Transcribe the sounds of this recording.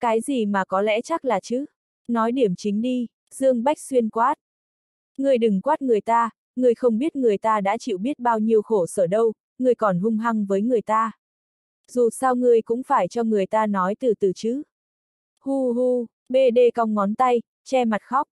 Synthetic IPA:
kaː˨˦jzi˨˩maː˨˩kɔ˨˦lɛ̰˧˥t͡ɕa˦˥k̚laː˨˩t͡ɕɨ˨˦ | nɔ˨˦jɗi˧˩əmt͡ɕï˨˦ŋ̟ɗi˧ | z̥ɨ˧əŋɓa˦˥k̟̚swi˧ənkwaː˦˥t̚ | ŋɨ˨˩əjɗɨ˨˩ŋkwaː˦˥t̚ŋɨ˨˩əjt̪aː˧ | ŋɨ˨˩əjxə˧wŋ͡mɓi˦˥ət̚ŋɨ˨˩əjt̪aː˧ɗa̰ː˧˥t͡ɕḭ˧˨wɓi˦˥ət̚ɓaː˧wɲi˧əwxo˧˩səː˧˩ɗə˧w | ŋɨ˨˩əjkɔ˨˩nɦʊ˧ŋ͡mɦa˧ŋvəː˨˦jŋɨ˨˩əjt̪aː˧ | zu˨˩saː˧wŋɨ˨˩əjkʊ̰˧˥ŋ͡mfaː˧˩jt͡ɕɔ˧ŋɨ˨˩əjt̪aː˧nɔ˨˦jt̪ɨ˨˩t̪ɨ˨˩t͡ɕɨ˨˦˥ | hu˧ɦu˧ | ɓe˧ɗe˧ka˧wŋ͡mŋɔ˨˦nt̪a˧j | t͡ɕɛ˧ma˨˩t̚xɔ˦˥wk͡p̚

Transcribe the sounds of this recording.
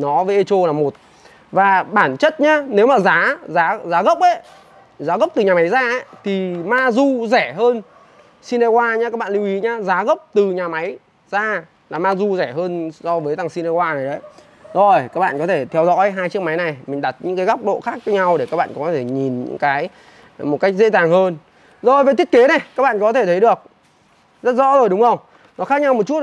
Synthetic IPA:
nɔ˨˦vəː˨˦ʔe˧t͡ɕo˧laː˨˩mo˨˩t̚ | vaː˨˩ɓaː˧˩nt͡ɕə˦˥t̚ɲaː˧ne˨˦wmaː˨˩zaː˨˦zaː˨˦zaː˨˦ɣə˦˥wk͡p̚ʔə˨˦j | zaː˨˦ɣə˦˥k͡p̚t̪ɨ˨˩ɲa˨˩ma˨˦jzaː˧ʔə˨˦jt̪ʰi˨˩maː˧zu˧zɛ˧˩ɦəː˧n | si˧ne˧kwaː˧ɲaː˧kaː˦˥k̚ɓaː˧˨li˧wʔi˨˦ɲaː˧zaː˨˦ɣə˦˥k͡p̚t̪ɨ˨˩ɲaː˨˩ma˨˦j | zaː˧ | laː˨˩maː˧zu˧zɛ˧˩ɦəː˧nsɔ˧vəː˨˦jt̪a˨˩ŋsi˧nɛ˧kwaː˧na˨˩jɗə˨˦j | zo˨˩jkaː˦˥k̚ɓa̰ː˧˨kɔ˨˦t̪ʰe˧˩t̪ʰɛ˧wzɔ̰˧˥jɦaː˧jt͡ɕɨ˦˥ək̚ma˨˦jna˨˩jmï˨˩ŋ̟ɗa˨˩t̚ɲɨ̰˧˥ŋkaː˨˦ɣa˦˥k͡p̚ɗo̰˧˨xaː˦˥k̚t͡ɕɔ˨˦ɲa˧wɗe˧˩kaː˦˥k̚ɓa̰ː˧˨˩kɔ˨˦t̪ʰe˧˩ɲi˨˩nɲɨ̰˧˥ŋkaː˨˦j | mo˨˩t̚ka˦˥k̚zḛ˧˥t̪aː˨˩ŋɦəː˧n | zo˨˩jve˨˩t̪ʰi˦˥ət̚ke˨˦na˨˩jkaː˦˥k̚ɓa̰ː˧˨˧kɔ˨˦t̪ʰe˧˩t̪ʰə˨˦jɗɨ˨˩ək̚ | zə˦˥t̚zɔ̰˧˥zo˨˩jɗʊ˨˦ŋ͡mŋə˧wŋ͡m | nɔ˨˦xaː˦˥k̚ɲa˧wm˨˩t̚t͡ɕu˦˥ət̚

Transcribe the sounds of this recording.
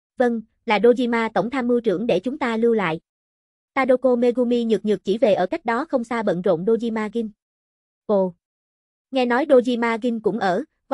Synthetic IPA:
və˧ŋ | laː˨˩ɗo˧zi˧maː˧t̪ə˧˩wŋ͡mt̪ʰaː˧mːɨ˧t͡ɕɨ̰˧˩əŋɗe˧˩t͡ɕʊ˨˦ŋ͡mt̪aː˧lɨ˧la̰ː˧˨jʔ | t̪aː˧ɗo˧ko˧me˧ɣu˧mi˧ɲɨ˨˩ɲɨ˨˩k̚t͡ɕi˧˩ve˨˩ʔəː˧˩ka˦˥jk̚ɗɔ˨˦xə˧wŋ͡msaː˧ɓə̰˧˨nzo̰˧˨nɗo˧zi˧maː˧ɣi˧n | ko˧˩ | ŋɛ˧nɔ˨˦jɗo˧zi˧maː˧ɣï˧ŋkʊ̰˧˥ŋ͡mʔəː˧˩

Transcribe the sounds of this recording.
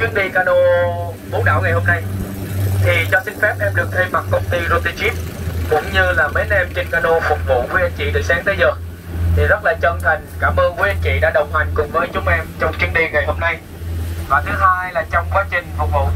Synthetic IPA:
t͡ɕwi˨˦ənɗi˧kaː˧ɗo˧ | ɓo˨˦nɗa̰ː˧˨wŋa˨˩jhɦo˧mna˧j | t̪ʰi˨˩t͡ɕɔ˧sï˧ŋ̟fɛ˦˥p̚ʔɛ˦˥p̚ɗɨ˨˩ək̚t̪ʰe˧mma˨˩kkə˧wŋ͡mt̪i˧zo˧˥t̪i˧t͡ɕi˦˥p̚kʊ̰˧˥ŋ͡mɲɨ˧laː˨˩me˨˦nʔɛ˧mt͡ɕï˧˩ŋkaː˧ɗo˧fʊ˨˩k͡p̚vṵ˧˨kwi˨˦ʔə˧nt͡ɕḭ˧˨ɗɨ˨˩ək̚saː˨˦ŋt̪ʰə˨˦jzəː˨˩k̚ | t̪ʰi˨˩zə˦˥t̚laː˨˩t͡ɕə˨˩nt̪ʰa˨˩ŋ̟kaː˧˩mʔəː˧nku˨˦ʔə˧nt͡ɕḭ˧˨ɗa̰ː˧˥ɗə˨˩wŋ͡mɦa˨˩jŋ̟kʊ˨˩ŋ͡mvəː˨˦jt͡ɕʊ˨˦ŋ͡mʔɛ˧mt͡ɕɔ˧ŋ͡mt͡ɕwənɗi˧ŋa˨˩jho˧mna˧j | vaː˨˩t̪ʰɨ˨˦ɦaː˧jlaː˨˩t͡ɕɔ˧wŋ͡mkwaː˨˦t͡ɕï˧˩ŋ̟fʊ˨˩k͡p̚vṵ˧˨

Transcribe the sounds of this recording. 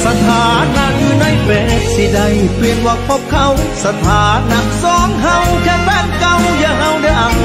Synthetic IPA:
sa˧t̪ʰaː˨˦na˧˥juː˧˦na˧˩jfɛː˨˧˩t̚si˧˩da˧˩jpli˨˧˩ənwaː˧k̚ʰɔ˧˥p̚kʰa˧wsa˨˧t̪ʰaː˨˦na˧˥k̚sɔː˧˦ŋɦa˧wkʰɛː˧pɛː˧˩t̚ka˧wjaː˨˧˩ɦa˧wda˧˩jʔa˨˧˩n

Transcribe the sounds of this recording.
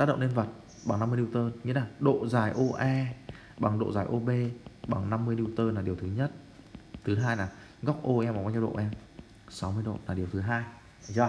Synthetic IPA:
t̪aː˦˥t̚ɗə̰˧˨ʔni˧ə˧nvə˨˩t̚ | ɓa˨˩ŋna˧mɨ˧ə˧ɗi˧wt̪əː˧ɲɨ˧˦˥laː˨˩ɗo̰˧˨zaː˨˩jʔo˧ʔɛ˧ | ɓa˨˩ŋɗo̰˧˨zaː˨˩jʔo˧ɓe˧ɓa˨˩ŋna˧mːɨ˧əjɗi˧wt̪əː˧naː˨˩ɗi˨˩əwt̪ɨ˨˦ɲə˦˥t̚t̪ʰɨ˨˦ɦaː˧jlaː˨˩ | ɣɔ˦˥wk͡p̚ʔo˧ʔɛ˧maː˨˩va˧t͡ɕɗo̰˧˨ʔɛ˧m | sa˨˦wmɨ˧əjɗo̰˧˨laː˨˩ɗi˨˩əwt̪ʰɦaː˧j | zɔ˧˩

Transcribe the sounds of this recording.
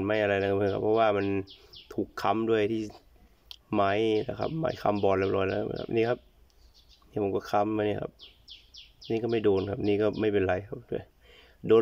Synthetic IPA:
nma˧˥˩jʔa˧ɾa˧jla˦kʰa˧˩ɯː˧˩kʰa̰˦˥pʰːɔ˧waː˧˩ma˧nt̪ʰuː˨˩kʰːa˧˥mdu˥˩əjt̪ʰiː˥˩ | ma˧˦˥jla̰˧˩kʰa̰˧˥p̚ma̰ː˨˦jkʰa̰˧mbɔː˨˩nlɛ˧˩p̚lɔː˧˩jla̰˧˦˥kʰa̰˦˧ʔniː˧˩kʰa˦˥p̚ | niː˧˩pʰo˨˦mkɔː˧˩kʰa˧˥mːa˧ni˧˩˨kʰa̰˧˦˥p̚ | niː˧˩kɔː˥˩ma˥˩jdoː˧nkʰa˦˥p̚a˧niː˧˩kɔː˥˩ma˥˩jpe˧nɾa˧jkʰa˦˥p̚du˥˩əj | doː˧

